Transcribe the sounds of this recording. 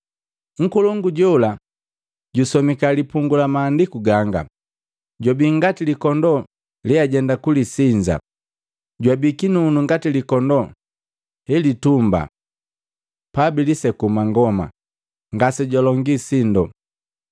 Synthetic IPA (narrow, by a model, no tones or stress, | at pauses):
ŋ̩kulɔŋɡuɟɔla | ɟusɔmikalipuŋɡulamaːndikuɡaŋɡa̰ | ɟwabiŋɡatilikɔndɔ | liaɟɛndakulisiɲd͡ʒa̰ | ɟwabikinunuŋɡatilikɔndɔ | hɛlitumba̰ | pabilisɛkumaŋɡɔma̰ | ŋɡasɛɟɔlɔŋɡisindɔ